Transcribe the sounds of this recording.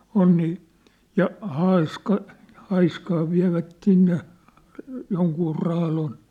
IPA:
on niː jɑ hɑiskɑ hɑiskɑː ʋiæ̝ʋæt sinːe joŋkuː rɑːlon

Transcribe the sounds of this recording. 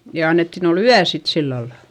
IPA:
jɑ ɑnːetːin ol yæ sit silːɑlːɑ

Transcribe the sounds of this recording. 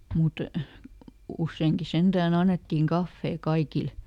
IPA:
mut usːeːŋki send̥æːn ɑnːetːiːŋ kɑfːeː kɑikil

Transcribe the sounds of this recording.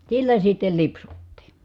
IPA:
silːæ sitːel lipsutːiː

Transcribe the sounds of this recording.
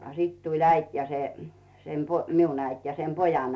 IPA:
ɑ sit tulʲ æit jɑ se sem po miun æit jɑ sem pojɑn

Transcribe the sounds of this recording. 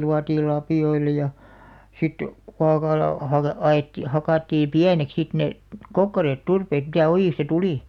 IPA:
luɑtiːl lɑpiˑoilˑɑ jɑ sit kuɑkɑlɑ hɑkɑ ɑet hɑkɑˑtːi piænek sit ne kokːɑreːt turpeːt mitæ ojiˑstɑ tuliˑ

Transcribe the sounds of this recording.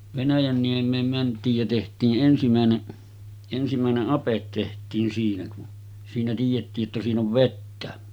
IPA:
ʋenæjænːiemˑeːm mæntˑiːj jæ tehtˑiːʔ ʔensimæˑeneʔ ensimæˑeneʔ ʔɑpet tehtˑiːn siːnæ kun siːnæ tiːjetːiː tːæ siːn oʋ ʋetːæ

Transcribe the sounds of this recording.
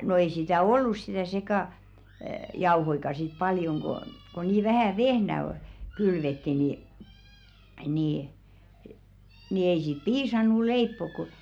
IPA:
no ei sitæ olːus si̥tæˑ sekɑˑ jɑuhoikɑ sit pɑljoŋ ɡ̊o ko niː ʋæhæˑ ʋehnæ ol̥ kylʋetːi ni niˑ ni ei siːt̆ piːsɑnːu leipːok ko̝

